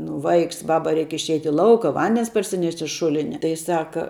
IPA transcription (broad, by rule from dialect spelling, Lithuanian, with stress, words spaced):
nʊ ˈʋɐɪks ˈbɑːbɐ ˈrʲɛɪk ɪʃʲˈɛɪtʲ ɪ ˈlˠɐʊkɐ ˈʋɐnʲdʲɛns pɐrʲsʲɪˈnʲɛʃʲtʲ ɪʃ ˈʃʊlʲɪnʲɛ tɐɪ ˈsɑːkɐ